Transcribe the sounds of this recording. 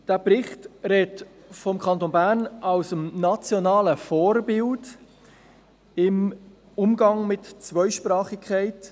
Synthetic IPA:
d̥æːpɾɪχtɾɛːt | fɔmkʰɑntoːnbæːɾnʔɑʊsəmnɑt͡sjonɑːləfoːɾbɪld | ɪm | ʊmɡɑŋmɪtt͡svœʏʃpɾɑːχɪkʰχaɪt

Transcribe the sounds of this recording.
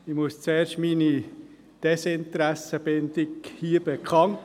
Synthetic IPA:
ɪmust͡seːɾʃtmini | d̥ɛsɪnt̪ɾæsəb̥ɪnd̪ɪkhiːəb̥ekʰɑnt

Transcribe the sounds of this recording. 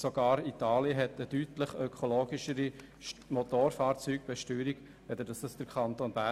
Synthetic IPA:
soɡ̥ɑːɾit̪ɑːliəɦɛt̪ədytləχœkʰoloːɡ̥iʃəɾi | mot̪oːɾfɑːɾt͡syːɡ̥̚b̥ɛʃtyːɾiɡ̥ | ʋɛd̪əd̥ɑsd̥ɑsd̥əɾkʰχɑnt̪onbæ

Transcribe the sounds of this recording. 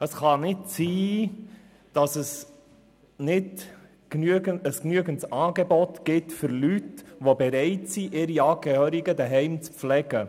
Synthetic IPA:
əsχɑnɪtsiː | d̥ɑsəs | nɪd | knyəɡənəsknyəɡəntsɑːɡebɔtɡ̥ɪtfʏɾlytʋobɛɾɛɪtsiʔɪɾiɑːɡɛhøːɾiɡədəɦɛɪmt͡spflɛɡ̥ə

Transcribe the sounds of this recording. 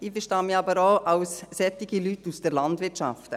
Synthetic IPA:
iːfəɾʃtɑːmiːɑbəɾoːʔɑwsːɛt̪iɡilytːusd̥əɾlɑndvʋɪɾt͡ʃɑ̰ft

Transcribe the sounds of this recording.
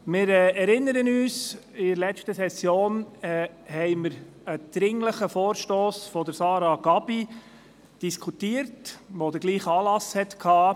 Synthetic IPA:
mɪːɾɛːɛɾɪnːəɾənyːsɪdəɾlɛt͡ʃtəsɛsjoːnɛ | hɛɪməɾ | əd̪̥ɾɪŋləχəfɔːɾʃtoːsfɔd̪əɾsɑːɾɑɡɑb̥i | d̥iskʰutiːəɾtʋod̪əɾɡ̥liːχɑːlɑshɛtkʰɑː

